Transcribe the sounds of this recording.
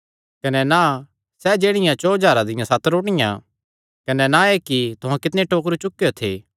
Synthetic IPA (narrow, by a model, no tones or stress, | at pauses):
kɐnɛna | sɛd͡ʒeːɽ̃ɪjãt͡ʃɔːd͡ʒaːɾad̪ɪjãsat̪ɾoːɽɪjã̰ | kɐnɛnaekit̪ʊɦãkɪt̪neʈoːk̬ɾut͡ʃʊkːɪjot̪ʰḛː